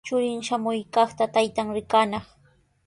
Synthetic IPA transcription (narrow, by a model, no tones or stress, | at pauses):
t͡ʃʊɾɪŋʃamʊjkɑχt̪at̪ajt̪aŋɾɪkanɑχ